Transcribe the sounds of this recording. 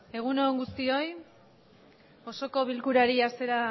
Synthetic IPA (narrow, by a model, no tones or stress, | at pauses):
e̞ɣ̞unoːŋɡust̪io̞j | o̞so̞ko̞β̞ilkuɾaɾiase̞ɾa